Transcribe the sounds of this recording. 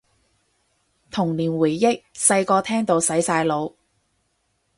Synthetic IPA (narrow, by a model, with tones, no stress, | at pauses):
t̪ʰʊ˨˩ŋliː˨˩nwuː˨˩jːɪ˥k̚sɐ˧jkɔː˧t̪ʰɛː˥ŋt̪o˨˧wsɐ˨˥jsaː˧jlo˨˧w